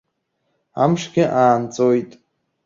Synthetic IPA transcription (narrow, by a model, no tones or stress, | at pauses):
a̰mʂɡʲɪʔaːnt͡sʼojtʼ